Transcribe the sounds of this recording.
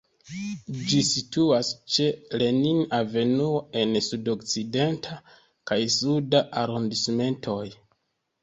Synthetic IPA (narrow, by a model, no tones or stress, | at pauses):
d͡ʒisituast͡ʃe̞le̞ninave̞nuoe̞nsudo̞kt͡side̞ntʰa | kajsudaʔaɾondisme̞ntʰo̞j